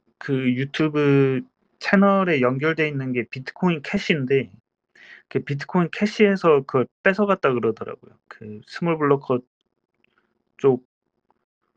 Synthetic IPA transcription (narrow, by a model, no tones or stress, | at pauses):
kɯjutʰubɯ | t͡ɕʰenʌɾe̞jʌŋɡjʌɭdwe̞inːɯnɡe̞pitʰɯ̥kʰoinkʰeɕ͈ʰinde̞ | kʰepitʰɯ̥kʰoinkʰe̞ɕ͈ʰie̞sʰʌkɯʌp͈e̞sʰʌɣat̚t͈akɯɾʌdʌɾa̰ɡo̰jokɯsʰɯmuɭbuɭːʌkʰʌ | t͡ɕ͈ok̚